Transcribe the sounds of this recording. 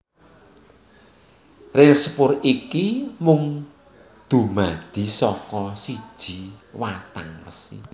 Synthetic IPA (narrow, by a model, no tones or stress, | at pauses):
rɪspʊrikimʊŋ | d̪̥ṳmad̪̥i̤sɔkɔsi̥ʒ̥i̤wat̪aŋrə̰sḭ